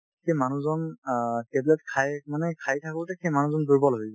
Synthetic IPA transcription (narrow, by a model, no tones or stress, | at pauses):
xʰejmanuzɔntɛblɛtkʰajmanɛkʰajtʰakʊltɛkʰejmanuzɔnduɹbɔloɦibɛ